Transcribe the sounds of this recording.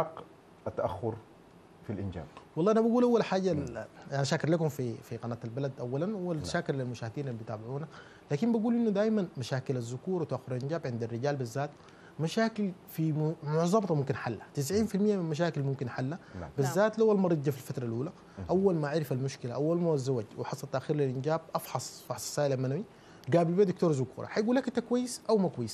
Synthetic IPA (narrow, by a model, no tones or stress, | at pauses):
ħɑqː | at̪ːaʔaxːʊɾ | filʔɪnd͡ʒa̰ːbwɑlˤːɑːʔanabaɡuːlʔawːalħaːɟaʔanaʃaːkɪɾlakumfifiqɑnaːt̪albalad̪ʔawːalanwalʃaːkillilmʊʃaːhd̪iːnalːit̪aːbɪʕuːna | laːkimbaɡuːlʔinːud̪aːʔmanmaʃaːkilazːʊkuːɾwt̪aʔaxːʊɾˤalʔinɟaːbʕɪnd̪arːɪɟaːlbɪzːaːt̪ | maʃaːkɪlfimʊʕzˤɑmt̪ˤmumkinħalːat̪ɪs̬ʕiːnfilmijːaminmaʃ̬aːkilmumkinħalːabizːaːt̪lawːalmɑɾˤɑɟːafilfat̪ɾˤalʔuːla | ʔawːalmaʕaɾɪfalmʊʃkilaʔawːalmawazːawaɟwɪħɑsˤɑlt̪aʔxiːɾlilʔinɟaːb̚ʔɑfħɑsˤfɑħsˤsaːʔilalmanawi | ɡaːbilbeːd̪ukt̪oːɾˤzʊkṵːɾˤɑ̰ħajɡuːlːakʔint̪akwajːɪsʔawmakwajːis